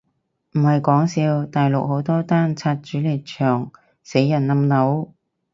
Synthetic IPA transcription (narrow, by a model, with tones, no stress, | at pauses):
m̩˨˩hɐ˨jkɔː˨˥ŋsiː˧wt̪aː˨jlʊ˨k̚ho˨˥wt̪ɔː˥t̪aː˥nt͡sʰaː˧t̚t͡ʃyː˨˥li˨˩t̚t͡ʃʰœː˨˩ŋ | se˨˥jːɐ˨˩nnɐ˧mnɐ˨˥w